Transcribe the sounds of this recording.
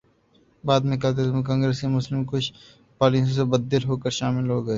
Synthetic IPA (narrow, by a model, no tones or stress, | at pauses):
baːd̪mẽkaːt̪̬emẽk̬ãːŋɡɾeːskemʊslɪmkʊt͡ʃʰ | paːlĩsõsebɐd̪ːɪlɦoːkəɾʃaːmɪlɦoːɡɐeː